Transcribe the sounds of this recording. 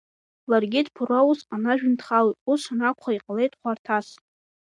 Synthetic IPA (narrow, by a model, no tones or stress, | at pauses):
larɡʲidpʰurausanaʒᶣʊntʰχalitʼusanakʷχaiqʼale̞jtʼχʷartʰas